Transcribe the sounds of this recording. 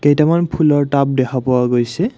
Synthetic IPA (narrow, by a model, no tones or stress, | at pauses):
kejtamanpʰulɔɹtap̚dɛkʰapɔwaɡojsɛ